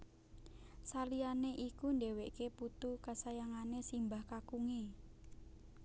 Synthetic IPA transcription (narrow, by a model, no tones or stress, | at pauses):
salianeʔikundeweʔkeput̪ukasajaŋanesimbahkakuŋe